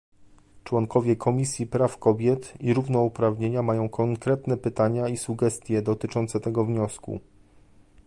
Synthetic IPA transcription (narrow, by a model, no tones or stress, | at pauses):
t͡ʂwɔŋkɔvʲjɛkʰɔmʲisʲjipɾafkɔbʲjɛt̪iɾuvnɔupɾavɲeɲamajɔ̃w̃kʰɔŋkɾɛt̪nɛpɘt̪aɲaisuɡɛst̪ʲjɛd̪ɔt̪ɘt͡ʂɔnt̪sɛt̪ɛɡɔvɲɔskṵ